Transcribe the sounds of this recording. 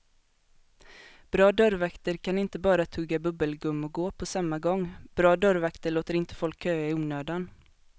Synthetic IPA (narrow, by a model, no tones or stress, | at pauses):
b̥ɾɑːd̪œɾvakt̪əɾkʰanɪnt̪əbɑːɾat̪ʰɵɡːabɵbəlɡɵmːɔɡoːpʰɔsamːaɡɔŋːb̥ɾɑːd̪œɾvakt̪əɭoːt̪əɾɪnt̪ə̥fɔlkʰːøːaɪuːnøːd̪an